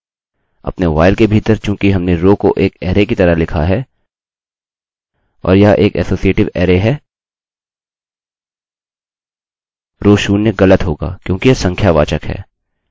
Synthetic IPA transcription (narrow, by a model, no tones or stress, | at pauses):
ɐ̰pneʋa̰ːɪlkebʱiːt̪əɾt͡ʃjõːkiɦɐmneɾoːkoʔeːkɛːɾekit̪ɐɾəɦlɪkʰa̰ɦɛː | ɔ̰ːɾjaʔeːkɛ̰ːsoːsieːʈɪʋɛːɾeɦɛː | ɾoːʃuːnːeɣɐlət̪ɦoːɡa̰ːkjõːkijɐsɐ̃ŋkʰjaʋa̰ːt͡ʃəkɦɛ̰ː